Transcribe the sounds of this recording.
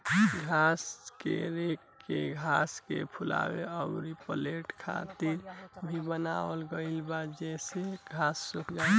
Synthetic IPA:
ɡʱaskḛɾekːeɡʱaskḛpʰula̰beəʊɾipəleʈkʰa̰t̪iɾbʱibənawəlɡəɪlbad̪d͡ʒɛseɡʱasːukd͡ʒa

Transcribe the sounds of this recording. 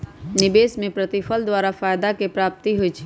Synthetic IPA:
nɪbeːsmẽpɾət̪ɪfʰəld̪waːɾafaːjd̪akepɾaːp̚t̪iɦoit͡ʃʰi̥

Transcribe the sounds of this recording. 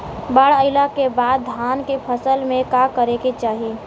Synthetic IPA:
baɽəɪlakebad̪ːʱankepʰəsəlmẽkakəɾeket͡ʃaːɦi

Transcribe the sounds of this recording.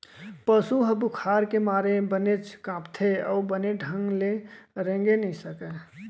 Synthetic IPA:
pəsuɦəbukʰaːɾkemaːɾebənet͡ʃkãːpt̪ʰeɔʊbəneɖʱə̃ŋɡleɾẽŋɡenəĩsəke

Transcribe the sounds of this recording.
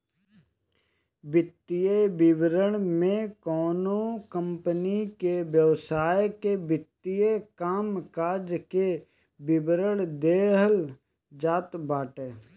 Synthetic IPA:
bɪt̪ːijebɪbɾəɽ̃mẽkɔːnokə̃mpənikeʋjəʋsaːjkebɪt̪ːijekaːmkaːɾd͡ʒke | bɪbɾəɽ̃d̪eːɦəl | d͡ʒaːt̪baːʈeː

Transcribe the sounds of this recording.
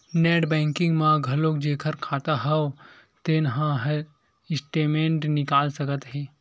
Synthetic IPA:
neːʈbɛ̃ːŋkɪ̃ŋɡmãɡʱɐloːkd͡ʒeːkʰəɾkʰaːt̪aɦɛo | t̪enɦãɦ | ɪsʈeːmẽɳʈnɪkaːlsɐkət̪ɦeː

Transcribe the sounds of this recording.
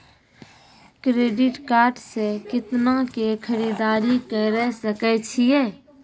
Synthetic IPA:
kɾeːɖɪʈkaːɾʈsekɪt̪nakekʰəɾiːd̪aːɾikəɾɛsəkɛt͡ʃʰieː

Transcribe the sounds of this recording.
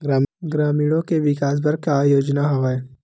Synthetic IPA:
ɡɾaːmɡɾaːmiːɽõkeʋɪkaːs̬bʱəɾkajoːd͡ʒnaɦoʋaeː

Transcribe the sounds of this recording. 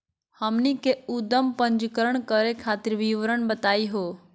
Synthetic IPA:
həmnikeud̪əmpə̃ɲd͡ʒkəɾəɳ̃kəɾekʰaːt̪ɪɾʋiʋɾəɳ̃bət̪aːiɦoː

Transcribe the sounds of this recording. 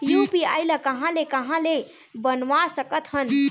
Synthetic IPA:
jupiajləkəɦãlekəɦãle | bənʋasəkət̪ɦən

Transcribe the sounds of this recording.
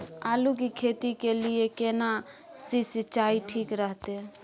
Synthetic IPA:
aːlukikʰet̪ikeliekena | sisit͡ʃaiʈʰikɾəɦt̪e

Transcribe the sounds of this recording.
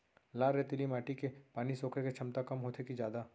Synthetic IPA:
laːɾet̪ɪlimaːʈikepaːnisoːkʰeket͡ʃʰɐmt̪akɐmɦoːt̪ʰekid͡ʒjaːd̪a

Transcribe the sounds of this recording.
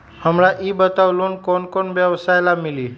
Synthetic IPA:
ɦəmɭaʔibət̪aʋluːnkoɳkoɳʋjəʋsajlamiliː

